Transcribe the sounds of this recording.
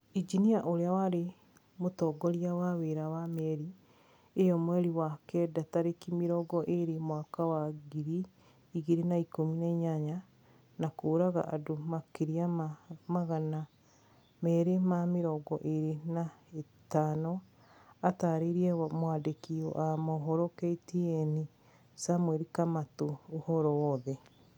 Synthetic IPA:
id͡ʒiniaʔoɾeawaɾe | motɔɡɔɾiawaweɾawamɛɾi | ejɔmwɛɾiwakɛdataɾekimiɾɔɡɔʔeɾemwaːkawaɡiɾiː | ɣiɾenaikominaɲaɲa | nakoːɾaɣa̰ʔadomakeɾiaamaɣana | mɛɾemameɾɔɡɔʔeɾenae | tanɔ | ataɾeɾiɛmwadekiɔ̰ʔamɔɦɔɾokɛitiɛni | samwɛɾikamatoːhɔɾɔwɔðɛ

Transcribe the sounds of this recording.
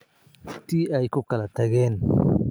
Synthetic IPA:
t̪ʰiːɛjkʰʊkʰɐlɐt̪ʰɐɣɛːn

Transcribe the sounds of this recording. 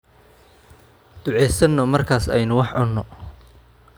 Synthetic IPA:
d̪̥ʊʕɛjsɐnːɔmɐrkʰaːsɛ̰jnʊwɑħʕʊnːɔ

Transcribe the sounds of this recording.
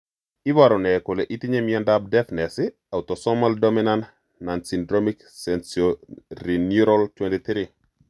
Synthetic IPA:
ibaɾɔnɛkulɛʔitiɲemiɔndab̚dɛfnɛsi | awtɔsɔmaldominan | nansindɾomik | sɛnsoɾinjuɾɔlt͡ʃwɛndit̪ɾi

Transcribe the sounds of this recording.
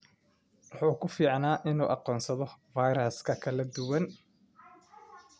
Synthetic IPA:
wɑħuːkʰʊfiːʕnaːʔɪnuːʔɑqɔːnsɐðɔvajɾɐskʰɐkʰɐlɐd̪ʊwɐn

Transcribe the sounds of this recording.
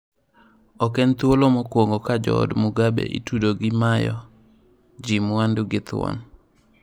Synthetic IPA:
ɔkɛnt̪wolomɔkwoŋɡokad͡ʒɔ̰dmʊɡabḛʔḭtudoɡɪmajɔ̰ | d͡ʒimwanduɡɪt̪wɔ̰n

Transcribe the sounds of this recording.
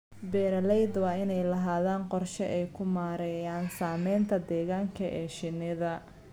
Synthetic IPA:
bɛːɾɐlɛjd̪wɑːɪnɛjlɐɦaːðaːnqɔrʃɛʔɛjkʰʊmaːɾɛjaːnsaːmɛjnt̪ʰɐd̪ɛːɣaːŋkʰɐʔɛːʃɪnɪðɐ

